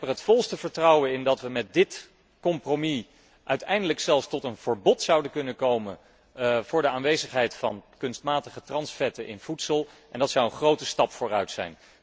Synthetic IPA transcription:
pəɹɦətfɔlˠstəvəɹtrʌwənɪndɑtʋəmɛt̚dɪt | kɔmpromi | ʔœɥtɛjndələksɛlˠfstɔtənv̥əɹbɔtsɑwdəkɵnənkowmən | vʊːɹdəaːnʋejzəχɦɛjtfɑ̰nkɵnstmaːtəχətrɑnsfɛtəʔɪ̰nv̥utsəlˠʔɛndɑtsɔwənχrowtəstɑpfʊːrœɥtsɛ̰jn

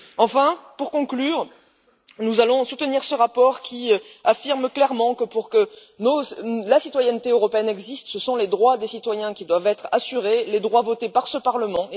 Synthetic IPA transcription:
ɑ̃fɛ̃puʁkɔ̃klyːʁ | nuzalɔ̃sut̪əniʁsəʁapɔʁkʲiafiʁmklɛʁmɑ̃kəpuʁkə | nolasit̪wajɛnt̪eøʁɔpeɛnɛɡzist̪səsɔ̃led̪ʁwad̪esit̪wajɛ̃kʲid̪wavɛt̪χasyʁeled̪ʁwavɔt̪epaʁsəpaʁləmɑ̃

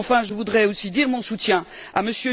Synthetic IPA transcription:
fɛ̃ʒəvud̪ʁɛosid̪iʁmɔ̃sut̪jɛ̃ | aməsjø

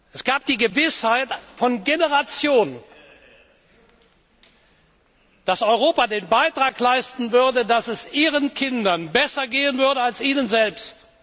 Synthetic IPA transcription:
ʔɛsɡ̥aːp̚d̥iːɡəvɪshaɪtfɔnɡenəʁat͡sjoːn | d̥asɔʏʁoːpadeːnbaɪtʁ̥aːklaɪstn̩vʏɐdədasɛsʔiːʁənkʰɪndɐnbɛsɐɡeːənvʏɐdəalsiːnənzɛlpst

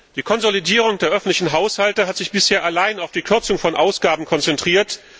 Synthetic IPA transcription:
d̥iːkʰɔnzolidiːʁ̞ʊŋdeːɐʔœfn̩tlɪçn̩ɦaʊshaltəɦatz̥ɪçb̥ɪsheːɐʔalaɪnaʊfd̥iːkʰʏɐt͡sʊŋfɔnʔaʊsɡ̥aːbm̩kʰɔnt͡sɛntʁ̥iːɐt

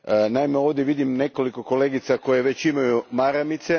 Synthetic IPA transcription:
ənaimeo̞ʋd̪je̞ʋid̪imne̞ko̞liko̞ko̞le̞ɡit̪sako̞je̞ʋe̞t͡ɕimajumaɾamit̪se̞

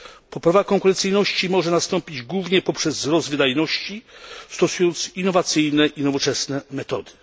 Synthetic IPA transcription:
pɔpɾavakɔŋkuɾɛnt̪sɘjnɔɕt͡ɕimɔʐɛnast̪ɔmpʲid͡ʑɡwuvɲɛpɔpʂɛzːɾɔzvɘd̪ajnɔɕt͡ɕist̪ɔsujɔnt̪sinːɔvat̪sɘjnɛʔinɔvɔt͡ʂɛsnɛmɛt̪ɔd̪ɘ̥

